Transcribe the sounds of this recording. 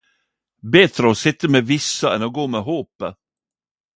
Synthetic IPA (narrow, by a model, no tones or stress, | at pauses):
bɛt̪ɾəɔsɪt̪ːəmevɪsːaɛ̰nɔɡoːmeɦoːpə